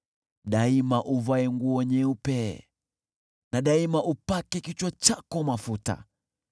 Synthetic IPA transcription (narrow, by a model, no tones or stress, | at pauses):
ɗaimaʔuvaɛŋɡuɔɲɛupɛ | naɗaimaʔupakɛkit͡ʃwat͡ʃakɔmafuta̰